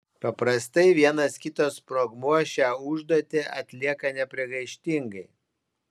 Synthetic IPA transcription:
pɐpɾɐst̪ɐɪʋʲiɛnɐskʲɪt̪oːspɾoɡmuɔsʃʲæːʊʒd̪oɔt̪ʲeʔɐt̪ʲlʲiɛkɐnʲɛpʲɾʲɪɡɐɪʃʲt̪ʲɪŋɡɐɪ

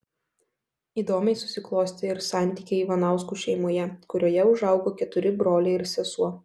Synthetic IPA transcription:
iːd̪oːmʲɛɪsʊsʲɪklˠoːsʲt̪ʲɪɪɾsɑˑnʲt̪ʲiːkʲeɪiʋɐnɑˑʊskuːˑʃʲɛɪmoːjɛkʊɾʲoːjɛʊʒɑˑʊɡoːkʲɛt̪ʊɾʲɪbɾoːlʲɛɪɪɾsʲɛsuɔ

